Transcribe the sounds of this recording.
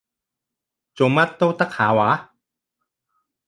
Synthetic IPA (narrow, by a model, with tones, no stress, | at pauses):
t͡ɕo˨˦ma˥˩t̪ːo˥˨t̪a˥kʰaː˨˦wa˨˦